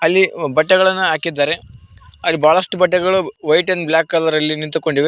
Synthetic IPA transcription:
ɐlːibɐʈːɐɡɐɭɐnːuɦaːkid̪ːaːɾe̞ɐlːibaːɭɐʂʈubɐʈːɐɡɐɭuʋɐjʈɐnblʲaːkːɐlɐɾɐlːinint̪uko̞ɳɖiʋe

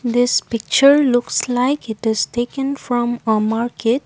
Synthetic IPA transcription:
d̪ɪspɪk̚t͡ʃəɾlʊkslaɪkɪʈɪz̥ʈeːkə̃nfɾɔ̃məmaɾkeʈ̚

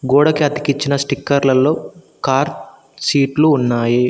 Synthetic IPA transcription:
ɡoːɽɐkiɐt̪i̥kit͡ʃːinɐsʈikːɐɾlɐlːo̞ː | kaːɾʈ̪ | siːʈluːnːaːji

